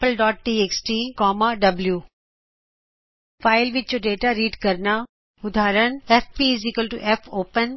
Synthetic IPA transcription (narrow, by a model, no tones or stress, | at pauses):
əlɖɔːʈ̚ʈiːeksʈiːkɔːmaɖɐbljuː | faːɪlʋɪtjoɖeːʈaɾiːɖkɐɾna | ʊd̪ʱaːɾəɳ̃efpizikəlʈuʔefʰoːpən